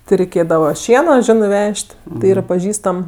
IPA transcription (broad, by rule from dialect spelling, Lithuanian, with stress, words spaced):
tʲɪ rʲɛɪˈkʲeːdɐʋɐ ˈʃʲiɛnoː ˈʒʲɪnɜ ˈʋʲɛʃʲtʲ tʲɪ ˈiːrɐ pɐˈʒʲiːstɐm